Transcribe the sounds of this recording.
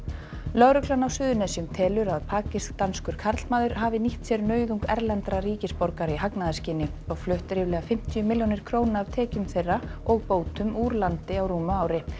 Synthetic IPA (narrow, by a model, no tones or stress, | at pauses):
lœɣɾʏklanawsʏːðʏnɛsiʏmt̪ʰɛːlʏɾaðpʰaːcɪskt̪anskʏɾ̥kʰaɾt̪lmaːðʏɾ̥ɦaːvɪniht̪sɛɾnœːɥðuŋkɛ̰ɾlɛnt̪ɾaɾiːcɪspɔɾkaɾiɦaknaðascɪnɪɔɣflʏht̪ɾɪvlɛːɣafɪm̥t̪ʰjʏmɪljonɪɾ̥kʰɾoːwnaav̥t̪ʰɛːcʏmθejrːaɔɣpoːwt̪ʏmuːɾlant̪ɪawɾuːmʏaːwɾɪ